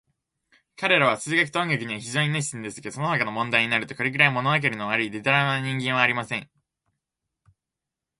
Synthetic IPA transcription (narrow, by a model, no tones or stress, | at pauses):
kaɾe̞ɾaβ̞asɨːɡak̬i̥t̪õŋɡakʲiɲ̟iβaçiʑo̞ːɲ̟ineɕ̬i̥sĩnd̪e̞sɨ̥keso̞nonakano̞mõ̞nd̪aiɲ̟inaɾɯ̟t̪o̞koɾʲikɯ̟ɾaimo̞noak̬e̞ɾɯ̟noβaɾɯ̟id̪e̞t̪aɾanaɲ̟ĩŋɡẽɰ̃aːɾʲimasẽ̞ŋ